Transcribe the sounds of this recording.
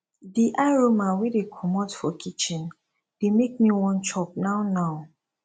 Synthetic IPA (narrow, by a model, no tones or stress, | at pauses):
diʔaɹomãwidekʰɔmɔtfɔkʰit͡ʃɛ̃n | d̥emek̚miwɔ̃nt͡ʃɔp̚naʊnaʊ